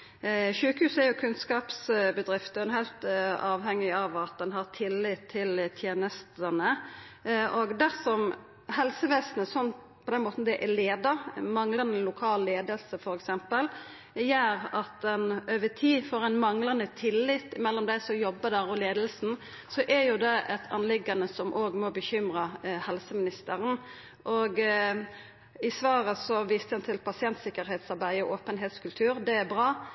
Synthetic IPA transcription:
ʃʉːkhʉːsæɾjʊkʰʉnskɑːpsbəd̪ɾɪft̪ɛnɦæɪlt̪ɑːʋhɛŋːɪɑʋɑt̪̚d̪ɛnɦɑʁt̪ʰɪlːɪt̪ʰːɪlt̪ʰjeːnəst̪ənə | ʔɔɡd̪æsɔm | ɦɛlsəʋeːsnəsɔnː | pʰɔd̪ɛnmoːt̪n̩d̪ɛʔæleːd̪əɾmɑŋlɑnəlʊkʰɑːlːeːd̪əlsəfɔɾɛksɛmpəl | jæːɾɑt̪ɛnøːʋətʰiːfɔɾæɪnmɑŋlɑnət̪ʰɪlːɪt̪ːɪmɛlːɔmd̪æɪsɔjɔbːəd̪æɾɔleːd̪əlsn̩ | sɔʔɛɾjʊd̪ɛʔɛt̪ʰɑ̰nlɪɡɑnəsɔmʔoːɡmɔbəçʏmʁəhɛlsəmɪnɪst̪əɾən | ʔɔɡ | ɪsʋɑːɾəsɔʋiːst̪əɛnt̪ʰɪlpʰɑsɪɛnt̪sɪkːəɾɦeːt̪sɑɾbæɪɔʔoːpənɦeːt̪skʉlt̪ʰʉːɾd̪ɛæɾbʁɑː

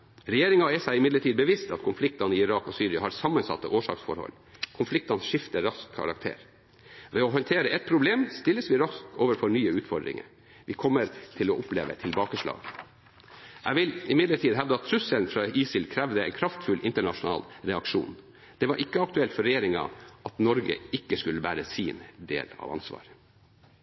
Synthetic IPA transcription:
ɾɛjeːɾɪŋɑɛsæɪɪmɪd̪ləʈʰiːd̪bəʋɪst̪ɑt̪kʰʊnflɪk̚t̪ɑnəiɪɾɑːkɔsyːɾɪɑhɑɾsɑmːənsɑ̰t̪ːəʔoːʂɑ̰ksfɔ̰ɾhɔ̰lː | kʰʊnflɪk̚t̪ɑnʂɪft̪əɾɑskʰːɑ̰ɾɑ̰k̚t̪ʰḛːɾ | ʋɛɔɦɑnt̪ʰeːɾəʔɛt̪̚pʰɾʊbleːmst̪ɪlːəsʋɪɾɑskoːʋəɾfɔɾɳyːəʉːt̪fɔd̪ɾɪ̰ŋə̰ɾ | ʋɪkʰɔmːəɾt̪ʰɪlɔʔʊplḛːʋə̰t̪ʰɪlbɑːkəʂɭɑ̰ːɡ | ʔæɪʋɪlɪmɪd̪ləʈʰiːd̪ɦæʋd̪əɑt̪ʰːɾʉsəlnfɾɑiːsɪlkʰɾæʋd̪əɛ̰ɪnkʰɾɑft̪fʉlʔɪnt̪əɳɑʂʊnɑ̰ːlɾɛɑkʂṵːn | d̪̥ɛʋɑɾʔɪkːəɑk̚t̪ʉɛlt̪fɔɾɛjeːɾɪŋɑ̰ʔɑt̪nɔɾɡə̰ɪkːəskʉlːəbæːɾəsiːnd̪ḛːlɑ̰ʋɑ̰nsʋɑ̰ːɾ

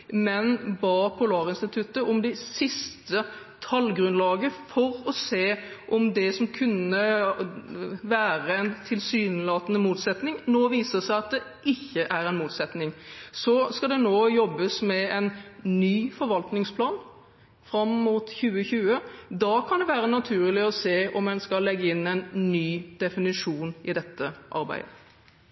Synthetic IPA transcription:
mɛnbɑːpʰʊlɑːʁɪnst̪ɪt̪ʰʉt̪əɔmd̪ɛɪsɪst̪ə | t̪ʰɑlɡɾʉnlɑːɡəfɔɾɔseːʔɔmd̪ɛsɔmkʰʉnːə | ʋæːʁəɛɪnt̪ʰɪlsyːnlɑːt̪ənəmuːt̪sɛt̪nɪŋnoːʋiːsəsæɪɑt̪̚d̪ɛʔɪçːəʔæɾɛnmuːt̪sɛt̪nɪŋsɔskɑd̪ɛnoːjɔbːəsmɛɛnnyːfɔɾʋɑlt̪nɪŋspʰlɑːn | fɾɑmːuːt̪çʉːəçʉːəd̪ɑkʰɑnd̪ɛʋæːɾənɑt̪ʰʉːɾlɪɔseːɔmɛnskɑlːɛɡːəɪnːɛɪnnyːd̪̥ɛfɪnɪʂuːnɪd̪ɛt̪ʰːəʔɑ̰ɾbæ̰ɪd̪ə

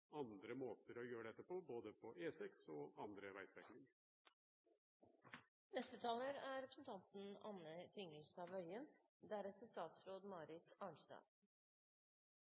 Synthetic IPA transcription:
ɑnd̪ɾəmoːt̪əɾɔjøːəɖ̪ɛt̪ːəpɔboːd̪əpʰɔʔeːsɛksɔɑnd̪ɾəʋæɪsb̪ɛknɪŋ | nɛst̪ət̪ʰɑːləɾæɾɛpʰɾəsn̩t̪ʰɑnt̪n̩ɑnːət̪ʰɪŋəlst̪ɑːʋœʏən | d̪æɾɛsəst̪ɑːt̪sɾoːd̪mɑːɾɪt̪ɑːɳʂd̪ɑ̰ːʋ

